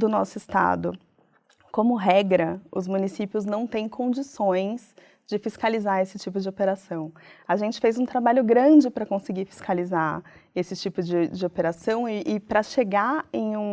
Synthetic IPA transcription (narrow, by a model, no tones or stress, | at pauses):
d̪ʊnɔsʊɪst̪a̰d̪ʊ | kõmʊɦɛɡɾɐʊzmunisipiʊznɐ̃w̃t̪ẽj̃kʰõd͡ʒisõj̃s | d͡ʒɪfiskalizaesɪt͡ʃipʊd͡ʒɪopeɾasɐ̃w̃aʒẽnt͡ʃɪ̥fejzũt̪ɾabaʎʊɡɾɐ̃d͡ʒɪpɾɐkõsɪɡiɾfi̥skaliza | esɪt͡ʃipʊd͡ʒɪd͡ʒɪopeɾasɐ̃w̃ɪʔːpɾɐʃeɡaẽj̃ũ